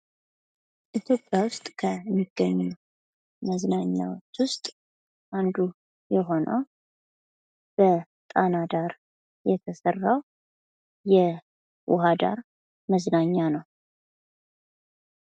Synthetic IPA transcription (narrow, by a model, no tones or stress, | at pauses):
ʔit̪ʰjo̞pʼːjawʊst̪ʼkʰəmːiɡ̥əɲːu | məznaɲːa̰wot͡ʃːwʊst̪ʼ | ʔand̪u | jɛɦo̞nə̰w | b̥ə | t̪ʼanad̪aɾ | jɛt̪ʰəsərːaw | jɛ | wʊɦad̪a̰ɾ | məznaɲːanəw